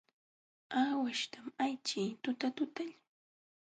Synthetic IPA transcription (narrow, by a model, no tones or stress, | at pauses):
aːwaʃt̪amajt͡ʃiːt̪ʊt̪at̪ʊt̪aʎ